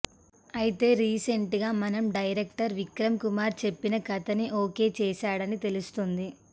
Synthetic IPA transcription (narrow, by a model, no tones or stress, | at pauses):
ɐjit̪e̞ːɾiːseɳʈɡaːmɐnɐmɖɐjɾekʈɐɾʋikɾɐmkumaːɾt͡ʃe̞pːinɐɡɐt̪ɐniʔoːke̞ːt͡ʃɛːʃaːɽɐnit̪e̞lust̪und̪i